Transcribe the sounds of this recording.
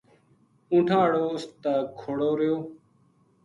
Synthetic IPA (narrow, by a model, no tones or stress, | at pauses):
ũːʈʰaːɽoːʊst̪aːkʰoɽoːɾɪjoː